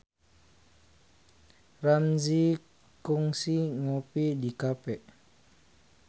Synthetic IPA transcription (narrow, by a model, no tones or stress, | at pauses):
ranzi | kuŋsiŋopidikapɛʔ